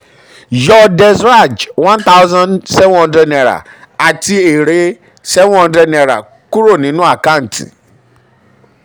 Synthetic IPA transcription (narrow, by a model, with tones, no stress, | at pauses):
jɔ˧dɛ˧sɾa˦˨d͡ʒwã˦n˦t̪a˦ʊ˦zã˦nsɛ˦vhɔ̃˧ndɾɛ˦nɛ˧˨ɾa̰˨ | a˨ti˧e˨ɾe˨˦ | sɛ˦vɔ̃˧ndɾɛ˧˦nɛ˧ɾa̰˨ | ku˦ɾo˦˨nĩ˨˦nũ˦a˦˨ka˦n̩˨tḭ̃˨